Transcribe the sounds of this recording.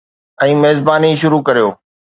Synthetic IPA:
ɛ̃ːmeːzbaːniʃ̬ʊɾukɐɾijoː

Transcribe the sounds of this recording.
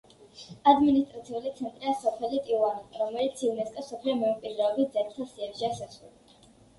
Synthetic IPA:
ad̪minist̪ʼɾat̪sʰiulit̪sʰɛnt̪ʼɾiasɔpʰɛlit̪ʼiwaniɾɔmɛlit̪sʰivnɛskʼɛsɔpʰlɛmɛukʼwid̪ɾɛɔbit̪zɛɾt̪ʰasiɛpʃiasasɾṵl

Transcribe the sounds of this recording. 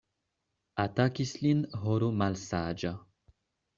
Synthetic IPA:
at̪akislinɦoɾumalsaːd͡ʒa

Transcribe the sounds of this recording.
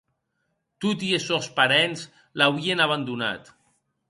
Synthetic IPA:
t̪ut̪iesɔspaɾɛnz | lawienaβand̪una̰t̪

